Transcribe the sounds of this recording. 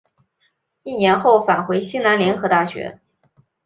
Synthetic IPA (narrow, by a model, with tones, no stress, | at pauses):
i˥˩njɛ˧˥nxo˥˩ʊfa˨˩nxwe˧˥ɪɕi˥na˧˥nljɛ˧˥nxɤ˧˥t̪a˥˩ɕɥɛ̰˧˥